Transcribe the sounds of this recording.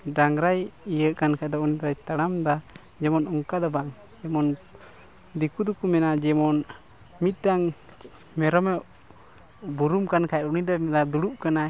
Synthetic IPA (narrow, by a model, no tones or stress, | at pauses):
ɖaŋɾajijəʔkankʰad̪ɔunid̪ɔɾajt̪aɽamd̪a | d͡ʒɛmɔnɔŋkad̪ɔbaŋ | d͡ʒɛmɔn | d̪ikud̪ukumɛnad͡ʒɛmɔn | mit̪̚ˀʈaŋ | mɛɾɔmɛʔ | buɾumkankʰaj̚ɾunid̪ɔmɛd̪ad̪uɽup̚kana